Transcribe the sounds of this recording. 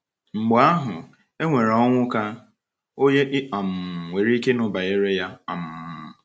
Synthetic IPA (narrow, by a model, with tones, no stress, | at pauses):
ŋ͡m̩˨ɡ͡bo˨a˦ɦʊ˨ | e˦ŋʷe˨ɾɔ˦ŋʷʊ˦ka˦ | o˦ɲe˦ʔɪ˦ɔ˨m̩˨ŋʷe˨ɾi˦ke˦nʊ˨ba˨e˦ɾe˦ja˦ɔ̰˨m̩˨